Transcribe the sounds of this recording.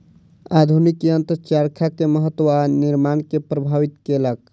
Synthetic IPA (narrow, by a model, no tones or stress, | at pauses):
ad̪ʱunikeənt̪əɾt͡ʃaɾkʰakeməɦət̪ːəwaniɾmankepɾəbʱaʋit̪kelək̚